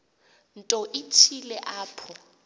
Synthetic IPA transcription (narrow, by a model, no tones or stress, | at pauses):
n̩tʼɔʔɪtʰilɛʔaːpʰɔ